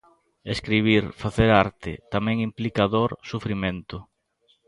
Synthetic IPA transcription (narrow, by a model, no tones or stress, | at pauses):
eskɾiβ̞iɾfaθeɾaɾt̪ɪ̰t̪amɛ̃ŋimplikaðoɾsufɾimẽnt̪ʊ